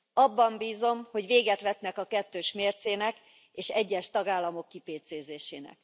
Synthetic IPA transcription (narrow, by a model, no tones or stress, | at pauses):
ɒbːɒmbiːzo̞mho̞ɟʋeːɡɛt̪ʋɛt̪nɛkɒkɛt̪ːøːʃmeːrt̪seːnɛk | eːʃɛɟːɛʃt̪ɒɡaːlːɒmo̞kːipeːt̪seːzeːʃeːnɛ̰k